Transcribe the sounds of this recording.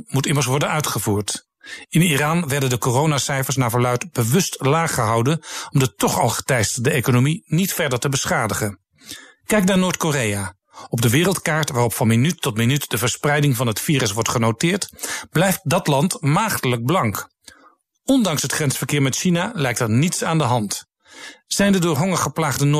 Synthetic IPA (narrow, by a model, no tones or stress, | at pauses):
mutɪməɹs̬ʋɔɹdənœɥtχəvuːɹt | ɪniraːnʋɛɹdəndəkoːrownasɛjfəɹs̬naːvɔɹlœɥtbəʋɵstlaːχəɦɑwdənɔmdətɔχɑ̰lˠχə̥tɛjstədəejkonominitfɛɹdəɹtəbəsχaːdəχən | kɛjknaːɹnoːɹtkoreja | ɔb̚dəʋɪːrəlˠtkaːɹtʋaːrɔpfɑnminytːɔtminytd̥əvəɹsprɛjdɪŋvɑnɦətfiːrəsʋɔɹtχənowtɪːɹtb̥lɛjft̚dɑtlɑntmaːχtələɡ̚blɑŋk | ɔndɑŋsɦətχrɛnsfəɹkɪːɹmɛtʃinalɛjk̚təɹnitsaːndəɦɑnt | z̥ɛjndədʊːɹɦɔŋəɹχəplaːχdən